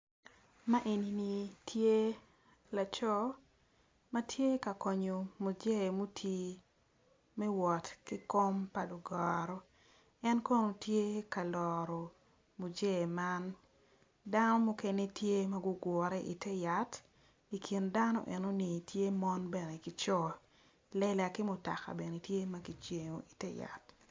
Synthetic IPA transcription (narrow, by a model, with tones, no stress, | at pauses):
ma˦ʔe˨ni˨ni˨tʰje˦ | la˨t͡ʃɔ˦ | ma˦tʰje˦ka˨kɔ˨ɲo˨mu˨d͡ʒe˦˨mu˦tʰi˦ | mɛ˦wɔ˨tki˦ko˦mpa˨lu˨ɡɔ˨ɾɔ˦ | ɛ˦nko˦no˨tje˦ka˨lɔɾɔ˨ | mu˨d͡ʒe˦˨ma˦n | da˦no˦mʊ˦ke˦ne˦tʰje˦ma˦ɡʊ˦ɡwɔ˨ɾɛ˦ʔi˨tɛ˦ja˨t | i˨kʰi˨nda˦nɔ̰˦ʔɛ˨no˦ni˨tʰje˦mɔ˦nbɛ˨ne˨ki˨t͡ʃɔ˦ | lɛ˦la˨kɪ˦mʊ˨ta̰˨ka̰˨bɛ˨ne˨tje˦ma˦ki˨t͡ʃe˨ŋo˨i˨tɛ˦ja̰˨t